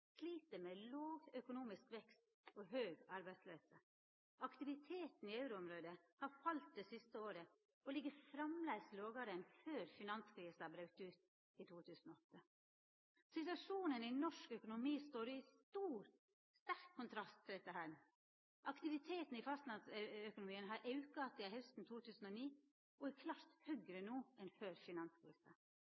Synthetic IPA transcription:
sliːt̪əmeːloːɡœkʊnuːmɪskʋɛkst̪ | ɔɦøːɡɑɾbæɪsløːsə | ɑkt̪ɪʋɪt̪ʰeːt̪n̩ɪæʉɾʊɔmɾoːd̪əhɑɾfɑlt̪̚d̪eːsɪst̪əoːɾə | ɔlɪɡəfɾɑmlæɪsloːɡɑɾənføːɾfɪnɑnskʰɾiːsənæɾbɾæʉk̚t̪ʉːt̪ | it̪ʰuːt̪ʰʉːsn̩ɔɔt̪ːə | sɪt̪ʉɑʂuːnənɪnɔʂkœkʊnʊmiːst̪oːɾɪst̪uːɾ | st̪æɾkʰːʊnt̪ʰɾɑst̪ʰɔd̪ɛt̪ːəhæn | ʔɑkt̪ɪʋɪt̪ʰeːt̪n̩ɪfɑst̪nɑd̪sœkʊnʊmiːənɦɑɾʔæʉkɑt̪ɪæhœst̪n̩t̪ʰuːt̪ʰʉːsn̩ɔniː | ʔɔɛkʰlɑɾt̪hœɡɾənuːɛnføːɾfɪnɑnskʰɾḭːsə

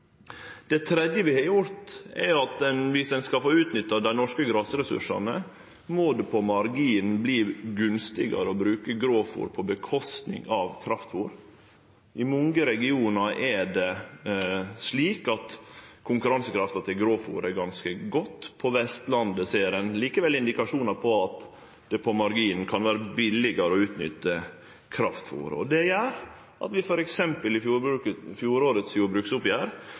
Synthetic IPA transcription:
d̪̥ɛt̪ʰɾɛd̪jəʋɪhɑjʊɾt̪ɛɑt̪̚d̪ɛnʋɪsd̪ɛnskɑfoːʉːt̪nʏt̪ːɑd̪æɪnɔʂkəɡɾɑsəɾɛsʉ̰ʂɑ̰nə | moːd̪ʉpʰɔmɑɾɡiːnbliːɡʉnst̪ɪɡɑ̰ɾəɔbɾʉːkəɡɾoːfṵːɾpʰɔbəkʰɔst̪nɪ̰ŋɑʋkʰɾɑft̪fuːɾ | ʔɪmɔŋɡəɾɛɡɪuːnɑɾʔɛɖɛ | sliːkɑt̪kʰʊŋkʉɾɑnsəkʰɾɑft̪ɑt̪ʰɪlɡɾoːfṵːɾɛɡɑnskəɡɔt̪ːpʰɔʋɛst̪lɑnd̪əseːɾɛnliːkəʋɛlːɪnd̪ɪkɑʂuːnɑɾpʰɔɑt̪ | d̪̥ɛpʰɔmɑɾɡiːnnkʰɑnʋæːɾəbɪlɪɡəɾɔʉːt̪nʏ̰t̪ːə | kʰɾɑft̪fṵːɾɔ̰d̪ɛjæɾ | ʔɑ̰t̪ʋɪfɔɾɛksɛmpəlɪfubʉfjuːɾoːɾət̪sjuːɾbɾʉːksʊpjæːɾ

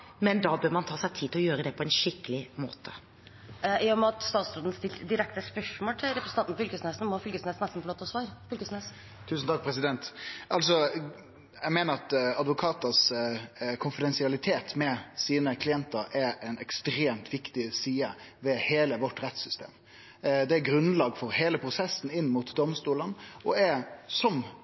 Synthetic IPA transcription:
mɛnd̪ɑːbøːɾmɑnt̪ʰɑːsæɪt̪ʰiːt̪ʰɔjøːɾəd̪ɛpʰɔɛnʂɪkːəlɪmo̰ːt̪ʰə̥ | ɪjmɛɑt̪st̪ɑːt̪sɾoːd̪n̩st̪ɪd̪ɪɾɛkt̪əspœʂmoːʈ̪ʰɪlɾɛpɾəsəɑnt̪nfɔʏlkəsneːsnmɔfʏlɡəsnesnɛsn̩floːt̪ʰɔsʋɑːɾfʏlkəsnes | t̪ʰʉːsn̩t̪ʰɑk̚pʰɾɛsɪd̪ɛnt̪ʔɑlsɔ | jæɡmeːnəɾɑt̪ɑd̪ʋʊkʰɑːt̪əs | kʰʊnfɪd̪ɛnsɪɑlɪt̪ʰeːt̪mɛsiːnəkʰlɪɛnt̪əɾɛɾɛnɛkst̪ɾeːmt̪ʰʋɪkt̪ɪsyːəʋɛheːləʋɔʈːɾɛt̪sʏst̪ḛːm | d̪ɛæɾɡɾʉnlɑːɡfɔɾheːləpʰɾʊsɛsːn̩ɪnːmuːt̪d̪ɔmst̪uːlənɔɛɾsɔm

